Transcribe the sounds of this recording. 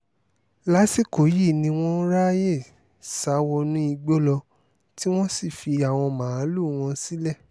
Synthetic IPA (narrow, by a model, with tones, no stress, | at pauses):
la˦si˦˨ko˨˦ji˦˨nĩ˧w̃ɔ̃˦ɾa˦je˦˨ | sa˨˦wɔ˧nũ˦i˧ɡ͡bo˦lɔ˧ | ti˦w̃ɔ̃˦si˦˨fi˧a˨w̃ɔ̃˧mãː˨˦lu˦˨w̃ɔ̃˧si˦lɛ˦˨